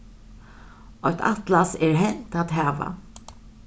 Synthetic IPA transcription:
ɔt̪ʰa̰t̪lasɛɹɦɛnt̪at̪ɦæːʋa̰

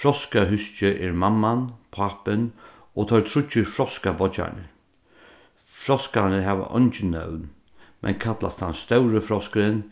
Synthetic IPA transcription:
fɾɔskaɦʏst͡ʃəʔɛɹmamːanpʰapɪn | oːt̪ʰɔɹt̪ʰɾʊt͡ʃːɪɹfɾɔskabɔt͡ʃa̰nɪ̰ | fɾɔskanəɦaːʋa̰ʔɔ̰nt͡ʃɪnːœ̰wn | mʔɛ̰nkʰat̪la̰st̪anst̪œwɾəfɾɔskəɾɪn

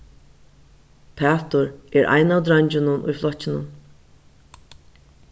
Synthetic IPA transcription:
pʰæːt̪ʊɾɛɾʔa̰jnaːwd̪ɾaɲt͡ɕɪnʊnʊ̰jflɔt͡ɕːɪnʊ̰n

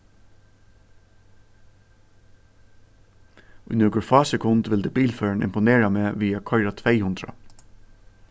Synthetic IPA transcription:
ʊ̰jnɔːkʊɹfɑːsɛkʰʊnt̪ʋɪld̪ɛːbiːlfœːɹɳʔɪ̰mpʊneːɹameːʋiːakʰɔʏɾat̪ʰʋɛɪhʉnd̪ɾa̰

